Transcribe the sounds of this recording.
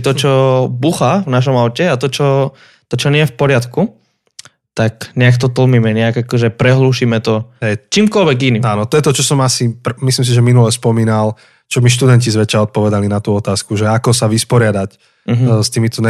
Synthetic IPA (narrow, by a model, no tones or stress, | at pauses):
t̪ɔt͡ʃɔbuxavnaʃ̬ɔmaʊcɛat̪ɔt͡ʃɔ | t̪ɔt͡ʃɔnɪɛjɛfpɔɾɪat̪ku | t̪akɲɛakt̪ɔt̪l̩miːmɛɲɛaɡakɔʒɛpɾɛɦluːʃimɛt̪ɔɦɛt͡ʃiːmkɔlʋɛɡiniaːnɔt̪ɔjɛt̪ɔt͡ʃɔsɔmasipmislims̬iʒɛminulɛspɔmiːnal | t͡ʃɔmiʃ̬t̪ud̪ɛncizʋɛt͡ʃaɔt̪̚pɔʋɛd̪alinat̪uɔt̪aːskuʒɛakɔsaʋispɔɾɪad̪ac̩ | ɦst̪iːmit̪ɔnɛ